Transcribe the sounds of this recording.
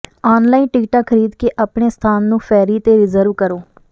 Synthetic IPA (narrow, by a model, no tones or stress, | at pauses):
aːnlaːinʈɪkʈaːkʰːəɾiːd̪keːʔaːpɳeːst̪ʰaːnːũːpʰɛːɾiːt̪eːɾɪzəɾʋkəɾoː